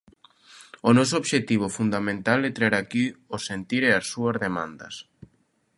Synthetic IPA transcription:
ʊnɔsooβʃet̪iβ̞ʊfund̪amẽnt̪alet̪ɾeɾakiosent̪iɾeasːuɐzðemã̰nd̪ɐ̰s

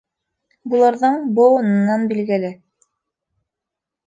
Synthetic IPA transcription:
bulˠɑɾðɤɴbowɤ̆nɤ̆nːɑnbilɡɘ̆lɘ

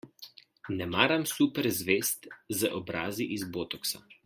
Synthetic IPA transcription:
nɛmaːɾamsupɛɾzʋest̪zəʔɔbɾaːziʔizboːt̪ɔksa̰

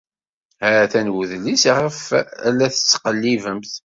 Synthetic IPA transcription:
hæɾæθænwuðlisʁəfælːæθə̥t͡sːqəlːivəmθ

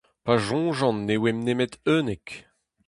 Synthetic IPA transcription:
paʒɔ̃ːʒɑ̃nːewemnemet̪øːnek

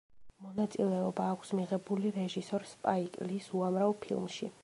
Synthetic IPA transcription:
mɔnat̪sʼilɛɔbaːkʷʰsmiʁɛbuliɾɛʒisɔɾspʼaikʼlisuamɾavpʰḭlˠmʃḭ

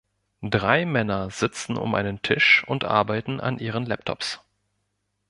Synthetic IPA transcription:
dʁaɪmɛnɐzɪt͡sn̩ʊ̰mʔa̰ɪnəntʰɪʃʊntʔa̰ɐbaɪtn̩ʔa̰nʔiːʁ̞ənlɛp̚tʰɔ̰ps

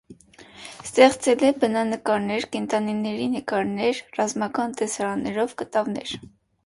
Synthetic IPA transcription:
st̪ɛχt͡sɛlɛbənɑnəkɑɾnɛɾkɛnt̪ɑninːɛɾinəkɑɾnɛɾrɑzmɑkɑnt̪ɛsɑɾɑnːɛɾɔvkət̪ɑvnɛ̰ɾ

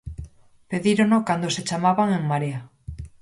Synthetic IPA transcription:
peðiɾonokand̪oset͡ʃamaβaŋeŋmaɾia

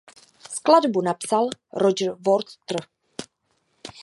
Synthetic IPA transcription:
skladbunapsalɾod͡ʒɾvoɾt̪t̪r̩

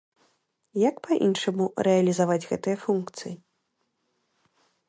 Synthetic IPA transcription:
jɐkpaʔḭnʂɐmuɾɛɐlʲizavad͡zʲɣɛt̪ɨjɐfunkt̪sɨji

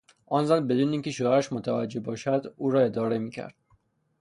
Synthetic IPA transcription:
ʔɒːnzælbe̞d̪uːneiŋcʲʰe̞ʃoæɾæʃmot̪ʰævæd͡ʒːe̞bɒːʃæd̪uːɾɒːe̞d̪ɒːɾe̞miːcʰæ̰ɾd̪̥

